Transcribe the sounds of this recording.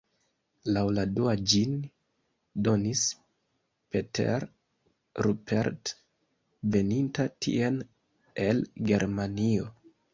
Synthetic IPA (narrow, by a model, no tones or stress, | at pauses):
lawladuad͡ʒin | do̞nis | petʰḛɾ | ɾupʰḛɾt | ve̞nintatʰḭen | e̞lɡe̞ɾmanio̞